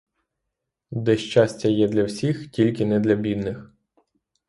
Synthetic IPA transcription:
d̪ɛʃt͡ʃasʲtʲɐjɛd̪lʲɐwsʲixtʲilʲkɪnɛd̪lʲɐbʲid̪nɪx

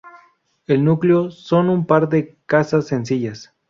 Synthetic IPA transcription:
elnukleoso̞numpaɾd̪ekasasːensiʝas

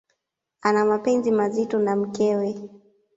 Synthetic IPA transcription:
anamapɛnzimazitɔnam̩kɛwɛ

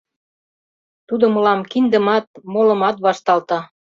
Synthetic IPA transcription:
t̪ud̪ŏmɤlɑmkind̪ə̆mɑt̪̚molɤ̆mɑt̪βɑʃt̪ɑlt̪ɑ

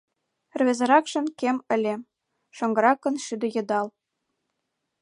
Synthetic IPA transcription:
rβʲezɤ̆ɾɑkʃɤ̆nkemɘ̆lʲe | ʃŏŋɡɤ̆ɾɑkːɤ̆nʃyd̪ɤ̆jɤ̆d̪ɑl

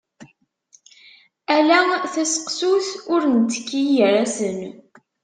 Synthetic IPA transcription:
ælæθæsə̥qsuθʊɾnət͡sːə̥kːijəɾæsən

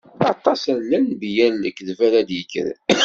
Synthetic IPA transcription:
ɑt̪ˤːɑsənːænbjænːəkːðvælæd̪jəkːə̰ɾ

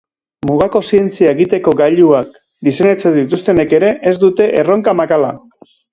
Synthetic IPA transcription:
muɣ̞ako̞sie̞nt͡siae̞ɣit̪e̞ko̞ɡaʎuak̚ | d̪ise̞ne̞t͡sed̪it̪ust̪e̞ne̞ke̞ɾe̞ʔezd̪ut̪e̞ʔero̞ŋkamakala

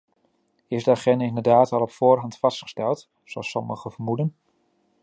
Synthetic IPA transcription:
ɪzdəaχɛndaɪndəɹdaːtɑlˠɔpfʊːɹɦɑntfɑstχə̥stɛlˠt | soɑsɔməχəvəɹmudən

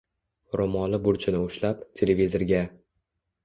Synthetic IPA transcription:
ɾomɒlɪbʊɾt͡ʃʰɪnɪʊʃlap̚t̪ʰelevʲizeɾɡʲa

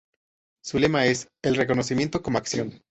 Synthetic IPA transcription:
sule̞mae̞s | e̞lreko̞nosimje̞nt̪o̞ko̞moaksjo̞n

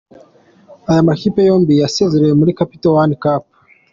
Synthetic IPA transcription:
ajamaxipɛjɔmbijasɛziɾɛmulikapitɔwanikap̚

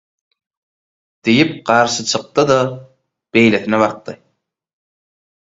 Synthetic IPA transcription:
d̪̥ijip̚ɢɑɾʃɯt͡ʃʰɯq̚t̪ɯd̪ɑ | b̥e̞jleθineβɑq̚t̪ɯ

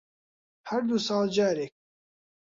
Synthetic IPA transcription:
hæɾd̪usɑːld͡ʒɑːɾɛk̚

